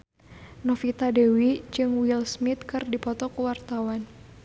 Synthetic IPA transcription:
nɔfit̪adɛwid͡ʒɨŋwilsmit̪̚kɨrdipɔt̪ɔkuwart̪awan

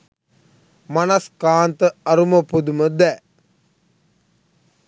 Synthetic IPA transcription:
manaskaːnt̪əɐɾuməpud̪uməd̪ɛː

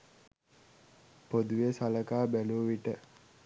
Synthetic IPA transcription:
pod̪uʋesaləkaːbæluʋiʈə

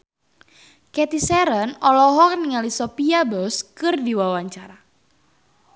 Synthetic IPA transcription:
kɛt̪isɛɾənɔlɔɦɔkniŋalisɔpiabɔskɨrdiwawaɲt͡ʃaɾa

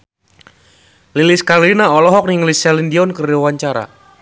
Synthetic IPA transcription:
liliskalinaɔlɔɦɔk̚niŋlisɛlindiɔnkəriwaɲt͡ʃaɾa̰

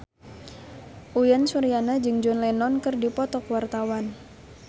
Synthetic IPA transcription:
ʔujansuɾianad͡ʒɨŋd͡ʒɔnlɛnɔnkɨrdipɔt̪ɔkuwart̪awan

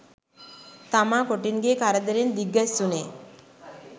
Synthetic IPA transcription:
t̪amakoʈinɡekaɾad̪eɾend̪iɡːast̪une

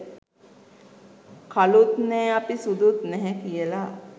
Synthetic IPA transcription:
kʰalut̪nɛːapisud̪ut̪nɛɦɛkijəla

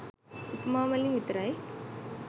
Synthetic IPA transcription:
ʊpmaːmɐlimit̪ɾaj

